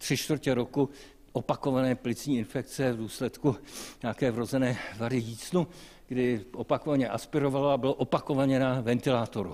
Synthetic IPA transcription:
t̪r̝̥ɪʃt̪vr̩cɛɾo̞ku | ʔopako̞vanɛːplɪt͡sɲiːɪnfɛk̚t͡sɛvduːslɛt̪kuɲaakɛːvɾo̞zɛnɛːvaɾɪjiːt͡snu | ɡdɪʔopakovaɲɛʔaspɪɾo̞valaabɪloʔopako̞vaɲɛnavɛnt̪ɪlaːt̪o̞ɾṵ

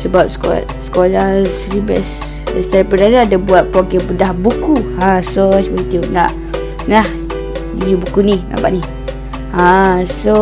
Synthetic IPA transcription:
səbap̚skɔ̰ | skolasɾibɛ̰s | ɛst̪apədaɾaadabuat̪̚pokɛbədahbukuãsot͡ʃmənt̪iunaʔ | lah | dijubukunima̰ba̰ʔni | ãso

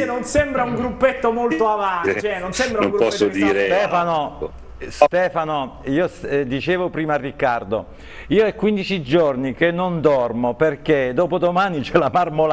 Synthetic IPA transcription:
nonsembɾauŋɡɾupːet̪ːomolt̪oavant͡ʃɛnonsembɾanmɡɾpɔsːod̪iːɾet̪ɛːfano | st̪ɛːfanoiːosd̪it͡ʃeːvopɾiːmarːikːard̪o̰ | iːoɛkːwind̪it͡ʃid͡ʒornik̟enːond̪ɔrmoperked̪ɔːpod̪omaːnit͡ʃɛlamarmol

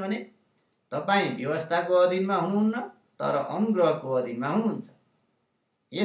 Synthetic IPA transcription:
bʱʌne | t̪ʌpaĩbjʌwʌst̪ʰakoʌd̪ʱinmaɦũunːʌ | t̪ʌ̰ɾʌʔʌmuɡɾʌɦʌkoʌd̪ʱinmaɦũunt͡sʰʌ̥ | e

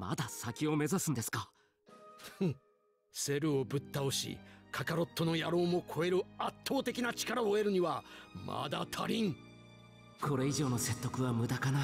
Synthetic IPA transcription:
ma̰d̪asakʲio̞me̞zasɨ̃nd̪esɨ̥ka | se̞ɾɯ̟o̞bɯ̟t̪ːaoɕḭkʰakaɾo̞t̪ːo̞no̞jaɾo̞ːmo̞kʰo̞e̞ɾɯ̟at̪ːo̞ːt̪e̞kʲinat͡ɕi̥kaɾaoe̞ɾɯ̟ɲ̟iβamʔa̰d̪a̰t̪ʰaɾʲĩŋ | kʰo̞ɾe̞iʑo̞ːno̞se̞t̪ːo̞kɯ̟βamɯ̟d̪akana

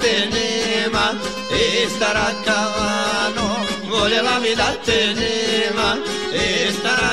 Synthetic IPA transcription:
t̪enema | est̪aɾakːaʋanoɡolelamid̪at̪ːenema | est̪aɾ

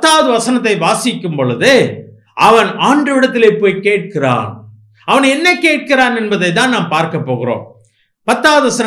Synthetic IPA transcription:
t̪ːaːʋɐðɯʋɐsɐnɐt̪̬ːɐɪʋaːsɪkːɯmpɔɭɯðɯ | ʔɐʋɐnaːɳɖɐʋɪɽɐt̪ːɪleːpoːjkeːʈ̚kɪra̰ːn | ɐʋɐnɛnːɐkeːʈ̚kɪɾaːnɛnbɐðɐɪt̪ːaːnnaːmpaːɾkɐpːoːɣɪɾo̰ːm | pɐt̪ːaːʋɐðɯʋɐsɐn

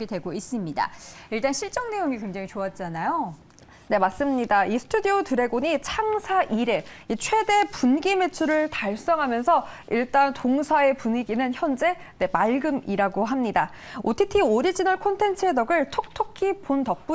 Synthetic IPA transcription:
ɡidwe̞ɡois͈ɯmɲida̰iɭt͈anɕʰiɭt͡ɕ͈ʌŋne̞joŋikwe̞ŋd͡ʑaŋit͡ɕoat̚t͡ɕ͈anajo | ne̞mas͈ɯmɲidaisʰɯ̥tʰudiotɯɾe̞ɡoɲit͡ɕʰaŋsʰaʔiɾe̞it͡ɕʰwe̞de̞punɡime̞t͡ɕʰuɾɯɭtaɭs͈ʌŋɦamjʌnsʰʌ | iɭt͈antoŋsʰae̞puɲiɡinɯnçjʌnd͡ʑe̞ | ne̞maɭɡɯmiɾaɡoɦamɲida | otʰitʰioɾid͡ʑinʌɭkʰontʰe̞nt͡ɕʰɯedʌɡɯɭtʰok̚tʰokʰipontʌk̚p͈u

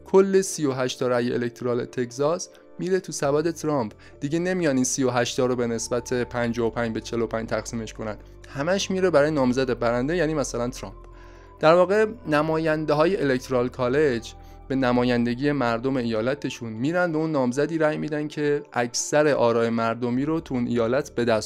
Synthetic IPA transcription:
kʰo̞lːe̞sijo̞ɦæʃt̪ɒːɾæjeʔḛlekt̪ʰoɾɒːlḛt̪ʰe̞czɒːs | miːɾet̪ʰusæbæːd̪e̞t̪ʰɾɒmp | d̪̥iɟe̞ne̞mijɒːd̪iːnsijoɦæʃt̪ʰɒːɾobe̞ne̞sbæt̪ʰe̞pʰænd͡ʒɒːopʰænd͡ʒbet͡ʃʰe̞lopʰænd͡ʒt̪ʰæxsiːme̞ʃkʰo̞nænd̪ | hæmæʃmiːɾebæɾɒːjenɒːmzæd̪ebæɾænd̪e̞jæːniːmæsælænt̪ʰɾɒ̰ːmp | d̪̥æɾvɒːɣe̞næmɒːjænd̪e̞ɦɒːje̞ʔelekt̪ʰɾɒːlkʰɒːle̞d͡ʒ | b̥e̞næmɒːjænd̪e̞ɟije̞mæɾd̪o̞me̞ijɒːlæt̪ʰe̞ʃunmiːɾænd̪beunːɒːmzæd̪iːɾæjmiːd̪ænd̪cʰe̞ʔækʰsæɾe̞ʔɒːɾɒːjemæɾd̪omiːɾot̪ʰuunʔejɒːlæt̪ʰbe̞d̪æs

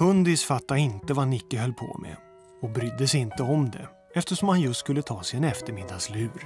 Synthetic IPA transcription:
hɵnd̪ɪsfat̪ːaɪnt̪əvanɪkːəɦœlːpʰo̰mɛ̰ | ɔbɾʏd̪ːəsɛɪnt̪əɔmd̪ɛ̰ | ɛft̪əʂɔmhanjɵst̪skɵlːət̪ʰɑːsɛjɛnɛft̪əɾmɪd̪ːaslʉ̟ːɾ

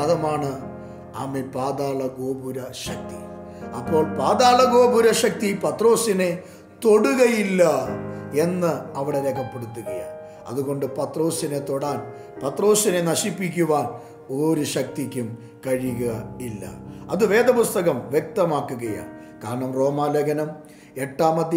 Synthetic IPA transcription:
ɐt̪ɐmaːɳɨ | aːmelpaːd̪aːɭɐɡo̞ːbʱuɾɐɕɐk̚t̪ḭ | ɐpːo̞ːɭpaːd̪aːɭɐɡo̞ːbʱuɾɐɕɐk̚t̪ipɐt̪ro̞ːsine̞ | t̪o̞ɽuɣɐjilːɐe̞nːɨɐʋiɽe̞ɾekʰɐpːe̞ɽut̪ːuɣɐja̰ːn | ɐ̰ðuɣo̞ɳɖɨpɐt̪ro̞ːsine̞t̪o̞ɽaːn | pɐt̪ro̞ːsine̞nɐɕipːik̬ʲːuʋaːn | o̞ːɾuɕɐk̚t̪ikʲːum | kɐɻiɣɐilːɐ̰ɐðɨʋe̞ːd̪ɐpust̪ɐɣɐmʋjek̚t̪ɐmaːkːuɣɐja̰ːn | kaːɾɐɳɐmro̞ːmaːlɐɡɐnɐm | e̞ʈːaːmɐd̪j

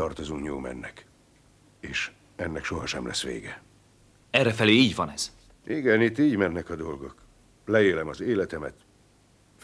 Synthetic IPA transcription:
ɒrt̪o̞zuŋkɲoːmɛ̰nːɛk | eːʃ | ɛnːɛkʃo̞ɦɒʃɛmlʔɛ̰sːʋḛːɡɛ | ɛrːɛfɛleːiːɟvɒnɛz̥ | iɡɛnit̪ːiːɟmɛnːɛkɒd̪o̞lɡo̞k | lɛeːlɛmɒzeːlɛt̪ɛmɛt̪ | f

